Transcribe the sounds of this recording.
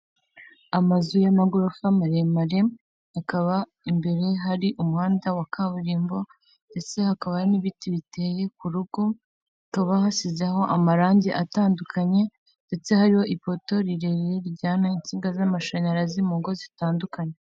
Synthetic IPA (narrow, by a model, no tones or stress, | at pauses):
amazujamaɡoɾofamaɾemaɾe̞ | akaβa | imbe̞ɾe̞ɦaɾiʔumuhaːndawakʰaβuɾiːmbo̞ | nde̞t͡se̞hakaβaniβitiβite̞je̞kuɾuɡ̥o̞ | kaβahasizaɦo̞ʔamaɾaːɲɟeʔataːndukʰaɲe̞ | nde̞t͡se̞haɾiho̞ʔipo̞to̞ɾiɾeɾeɾɟaːnaint͡siːŋɡazamaʃaɲaɾazimuŋɡo̞zitaːndukaɲe